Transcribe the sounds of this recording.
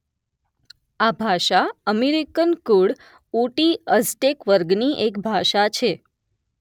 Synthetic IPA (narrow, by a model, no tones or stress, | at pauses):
abʱaʃaəmeɾikənkuɽ | uʈiəsʈekʋəɾɡniʔekbʱaʃat͡ʃʰe